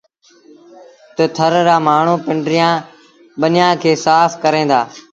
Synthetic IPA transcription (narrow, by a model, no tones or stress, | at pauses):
t̪ət̪ʰəɾɾaːmaːɳ̤ũːpɪɳɖɾɪjãː | ɓənjãːkʰeːsaːfkəɾẽːnd̪aː